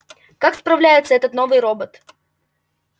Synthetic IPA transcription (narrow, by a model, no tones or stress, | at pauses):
kakspɾɐvlʲæjɪt̪səɛt̪ət̪no̞vɨjɾo̞bət̪